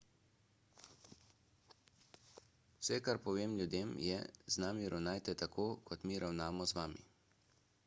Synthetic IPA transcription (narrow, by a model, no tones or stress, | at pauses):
w̥sɛkaɾpɔʋeːmlʲjud̪eːmjɛ̰znaːmiɾawnaːjt̪ɛt̪akʰoːkʰɔt̪miːɾʔawnaːmɔzʋaːmḭ